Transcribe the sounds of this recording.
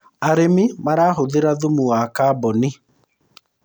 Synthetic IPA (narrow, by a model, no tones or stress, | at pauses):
aɾemimaɾaːɦoðeɾaðomuwakaːbɔni